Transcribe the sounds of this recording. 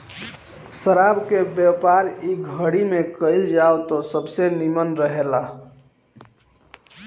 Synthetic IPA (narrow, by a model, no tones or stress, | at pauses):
səɾabkebjəpaɾiɡʱəɽimekəɪld͡ʒaot̪ɔsəbsenimənɾəɦela